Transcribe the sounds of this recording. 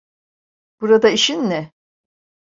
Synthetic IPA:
b̥uɾad̪aiʃinːɛ

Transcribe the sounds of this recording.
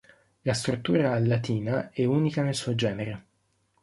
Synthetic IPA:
last̪ɾut̪ːuːɾalːat̪iːnaɛuːnikanelsuːod͡ʒɛːneɾe

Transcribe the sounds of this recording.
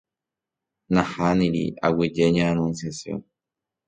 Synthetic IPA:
nãhanĩɾḭa̰wid͡ʒeɲãːnũnsjasjõ̰n

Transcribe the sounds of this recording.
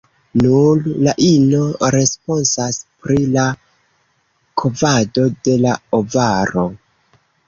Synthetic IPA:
nullaʔino̞ɾe̞spo̞nsaspɾila | kʰovado̞de̞laovaɾo̞

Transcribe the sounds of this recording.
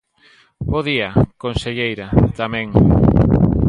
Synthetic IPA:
boðiakonseʎejɾat̪amɛ̃ŋ

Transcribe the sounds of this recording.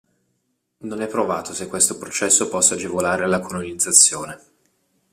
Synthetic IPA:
nonɛpːɾovaːt̪osekːwest̪opɾot͡ʃɛsːopɔsːaːd͡ʒevolaːɾealːakʰolonid̪zːat̪sːjoːne

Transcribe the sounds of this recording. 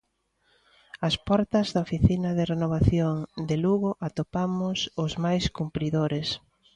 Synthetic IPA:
ɐspɔɾt̪ɐzðɐofiθinɐðɪrenoβ̞aθjoŋd̪eluɣʊʔat̪opamʊsʊzmajskumpɾiðoɾes

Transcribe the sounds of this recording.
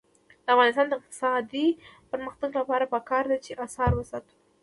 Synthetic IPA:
d̪̥əafɣɑnɪst̪ɑnd̪əɪq̚t̪ɪ̥sɑd̪ipəɾməxt̪aɡlapɑɾapəkɑɾd̪at͡ʃeʔasɑɾwəsɑt̪u̥

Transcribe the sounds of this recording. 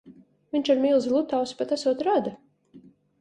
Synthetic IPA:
viɲt͡ʃaɾmiːlˠzlˠut̪awspat̪æsuɔt̪ɾad̪a

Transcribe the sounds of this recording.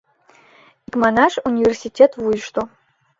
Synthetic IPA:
ikʼmanaʂunʲivʲersitʰetʰwuiʂtʰʼo

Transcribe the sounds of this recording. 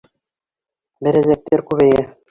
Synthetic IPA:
bɘ̆ɾæ̆zæk̚t̪æɾkʉβæjæ

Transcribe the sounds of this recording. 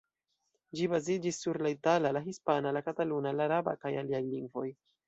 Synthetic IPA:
d͡ʒibazid͡ʒisːuɾlaitalalaɦispanalakatalunalaɾaba̰kajaliajliŋɡvo̞j

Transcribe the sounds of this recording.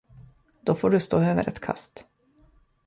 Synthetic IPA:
d̪̥ɔfoːɖɵst̪oːøːvə̰ɾɛt̪kʰa̰st̪

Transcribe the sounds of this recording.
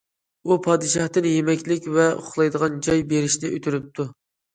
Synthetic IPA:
upʰɑːd̪ɨʃɑht̪ɨnjemɛkʲlɪkʲvɛo̰χlˠɑjd̪əʁɑnd͡ʒɑjbeɾɪʃnɪʔøt̪ʰyɾyp̚t̪ʰu

